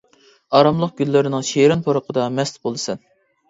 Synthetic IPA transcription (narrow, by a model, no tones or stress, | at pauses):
ɑɾɑmlˠəq̚ɡ̥ʲylːɪɾɪnɪŋʃeɾɪnpʰoɾəqʰəd̪ɑmɛst̪bolˠɨsɛn